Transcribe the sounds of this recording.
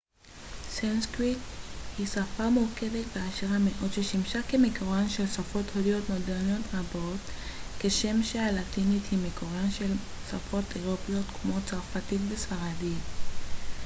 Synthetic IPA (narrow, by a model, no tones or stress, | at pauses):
sanskʁithisafamuke̞vetbeaʃeʁame̞ʔo̞dʃeʃimʃakemekoʁanʃe̞lsafo̞thodio̞tmodeʁniot̪ʁabo̞t | keʃe̞mʃealatinithimekoʁanʃe̞l | safo̞teʁopijo̞t̪kmo̞t͡saʁfatitvesfaʁadi